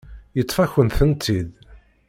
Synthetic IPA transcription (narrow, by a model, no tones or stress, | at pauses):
jət̪ˤːfæçənθənt̪ːið